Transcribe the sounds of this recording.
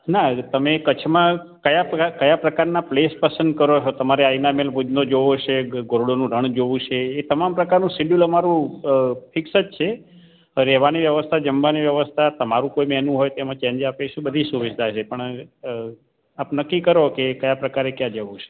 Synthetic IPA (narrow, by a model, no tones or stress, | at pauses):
nat̪əmekət͡ʃʰmã | kəjakəjapɾəkaɾnaplespəsə̃nd̪̚kəɾot͡ʃʰot̪əmaɾeainamelpud̪nod͡ʒoʋot͡ʃeɡoɾɽonũɾəɳ̃d͡ʒoʋũt͡ʃʰeːt̪əmampɾəkaɾnũsiɖjuləmaɾũ | pʰɪksət̪t͡ʃʰe | ɾɛʋaniʋjəʋəst̪ʰad͡ʒəmbaniʋjəʋəst̪ʰat̪əmaɾũkoimɛnũɦojt̪emãt͡ʃɛ̃nd͡ʒapeʃũbəd̪ʱisuʋɪʃd̪ʱaʃepəɳ | apnəkːikəɾokekəjapɾəkaɾekjãd͡ʒəʋũt͡ʃʰe̥